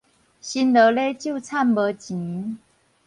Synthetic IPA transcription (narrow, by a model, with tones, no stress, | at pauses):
ɕi˥nd̪ə˧˦le˥˦t͡ɕjo˥˧t͡sʰa˥˩nbə˧t͡ɕi˨˦